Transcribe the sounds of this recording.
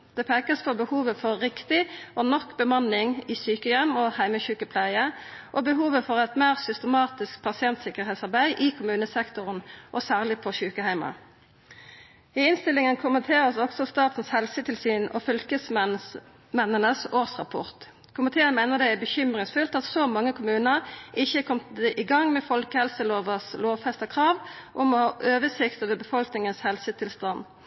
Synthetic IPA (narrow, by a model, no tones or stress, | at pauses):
d̪̥ɛːpʰeːkəspʰɔbəhuːʋəfɔʁːɪkt̪ɪʔɔnɔkːbəmɑnːɪŋɪːsyːkəjɛmːoːhæɪməçʉːkəpʰlæɪəʔoːbəɦuːʋəfɔʁɛt̪meːʁsʏst̪əmɑːt̪ɪskpʰɑsɪɛnt̪sɪkəʁɛːt̪sɑʁbæɪʔɪkʰʊmʉːnəsɛkt̪ʊʁənʔɔsæːʁlɪpʰɔʃʉːkəhæɪmɑ̰ | ɪɪnst̪ɪlːɪŋənkʰʊmənt̪ʰeːʁəsɔksɔst̪ɑːt̪n̩shɛlsət̪ʰɪlsyːnɔ̰fʏlkəs | mɛnənəsoːʁsʁɑpʰɔ̰ʁt̪ | kʰʊmɪt̪ʰeːənmæɪnəʁd̪ɛæbəçʏmʁɪŋsfʉlt̪ɑt̪sɔmɑŋːəkʰʊmʉːnəʁɪçəkʰɔmt̪ɛʔɪɡɑŋmɛfɔlkəhɛlsəloːʋəsloːʋfɛst̪əkʰʁɑːʋʔʊmɔhɑːʔøːʋəsɪkt̪əʋəbəfɔlknɪŋənshɛlsət̪ʰɪlst̪ɑn